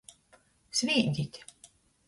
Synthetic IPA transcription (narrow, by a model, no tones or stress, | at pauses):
sʲvʲiɛɡʲit̪ʲ